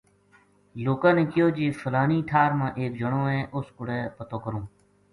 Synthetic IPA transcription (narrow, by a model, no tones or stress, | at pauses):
loːkãːnẽːkɪjoːd͡ʒeːfʰəlaːniːʈʰaːɾmãːʔeːk̚d͡ʒəɳõːɦɛ̃ːʔʊskʊɽɛːpət̪oːkəɾõː